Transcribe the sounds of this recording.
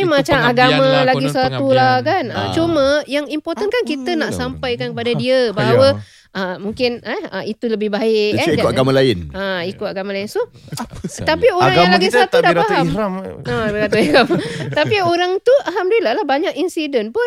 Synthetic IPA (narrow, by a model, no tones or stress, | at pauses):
imat͡ʃamaɡamãlaɡisəat̪ulahkanət͡ʃuməjaŋimpɔrt̪ənkankit̪ənaʔsampajkankəpadadiəbaɦawə | ʔəmuŋkɪnɛəit̪uləbɪhbaɪkɛidkaɡamãlaɪnaikʊt̪aɡamãlaɪnso | t̪apioɾaŋjaŋlaɡisat̪udaʔpaɦamabkat̪uikamt̪apioɾaŋt̪uaɦamdulalahbaɲakinsidənpʊn